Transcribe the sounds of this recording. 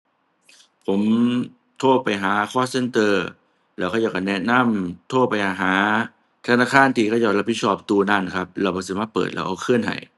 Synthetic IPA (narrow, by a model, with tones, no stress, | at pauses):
pʰo˩˦m | t̪ʰoː˥˩pa˧jɦaː˩˦kʰɔː˥˩se˧˥nt̪ɤː˧ | lɛː˦˥wkʰɔ˥˩jaː˧˩ka˧˩nɛ˦˥na˧˥˨mt̪ʰoː˥˩pa˧jʔaː˧˩ɦaː˩˦ | t̪ʰa˧naː˧˩kʰaː˧˩˨nt̪ʰiː˧˩kɔː˥˩jɔː˧˩la˧˥pʰi˦˥t̚sʰɔː˦˥˩p̚t̪uː˧naː˧˩˨n˩kʰa˦˥p̚lɛː˧wbɔː˧˩sɯː˨˧˦maː˥˩pɤ̰ː˨˩t̪̚lɛ̰ː˦˥wʔa˧wkʰɯ˥˩ənɦa̰˨˩j